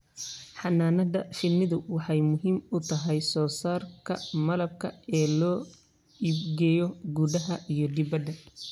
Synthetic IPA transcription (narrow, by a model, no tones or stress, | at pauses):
ħɑnːaːnɐd̪ɐfɪnːɪðʊwɑħɑjmʊɦiːmʊt̪ʰɐɦɛjsɔːsaːrkʰɐmɐlɐb̚kʰɐɛːlɔː | ibɡɛːjɔɡuðɐɦɐʔijɔd̪ɪβɐd̪ɐ